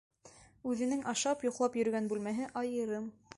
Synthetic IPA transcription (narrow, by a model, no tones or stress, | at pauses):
ʉðɘ̆nɘŋʔɑʃɑpjŏqlˠɑpjɵ̆ɾɵ̆ɡænbʉlmæɦɘʔɑjɤ̆ɾɤm